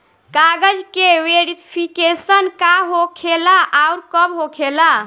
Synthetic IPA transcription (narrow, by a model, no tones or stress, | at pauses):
kaɡəd͡ʒkeweɾipʰikesənkaɦokʰelaʔauɾkəbɦokʰela